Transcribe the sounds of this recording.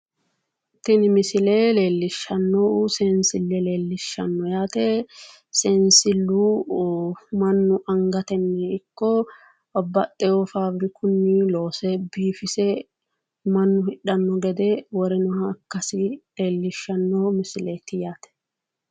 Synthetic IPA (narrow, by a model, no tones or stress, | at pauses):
t̪ːɪnmɪsɪleːle̞ːlːɪʃːɐnːoʊsɛnsɪlːɛle̞ːlːɪʃːɐnːɔjaːt̪ɛ | sɛnsɪlːuː | mɐnːʊʔɐŋɡɐt̪ɛnːɛɪkːɔ | ɔbːɐt̪ʼːɛjɔfaːbɾɪkʊnːiːloːsɛbiːfɪsɛ | mɐnːʊhɪᶑɐnːɔɡɛd̪ɛwɔɾɛnʊhɐkːɐsɪle̞ːlːɪʃːɐnːɔmɪsɪleːt̪ɪjaːt̪ɛ̥